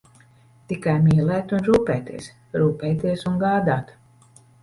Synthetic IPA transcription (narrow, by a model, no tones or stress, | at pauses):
t̪ikajmiɛlæːt̪unɾuːpɛːt̪ḭs | ɾuːpɛːjt̪iɛsuŋɡaːd̪aːt̪